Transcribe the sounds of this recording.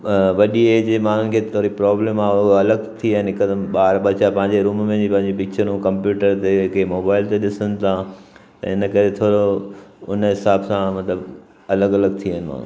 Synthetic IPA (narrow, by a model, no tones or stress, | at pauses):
ʋɐɗieːd͡ʑmaːɦʊn̆kʰet̪ʰoːɾipɾɔːblẽːmaːoɐləɡt̪ʰiaːɦɪnɦɪkəd̪ɓaːɾbɐt͡ɕapɐ̃ɦɪ̃ɲ̆d͡ʑeɾuːmmẽd͡ʑipɐ̃ɦɪ̃ɲd͡ʑepɪk̚t͡ɕəɾũkɐ̃mpjuːʈəɾt̪eɪkʰemoːbaːɪlt̪eɗɪsənɪ̆t̪ʰãt̪ɐ̰ɪnəkɐɾet̪ʰoːɽoʊnəɦɪsaːbsãmɐt̪ləb | ɐləɡɐləɡt̪ʰiaːɦɪnɪma̰ːn̤ṵ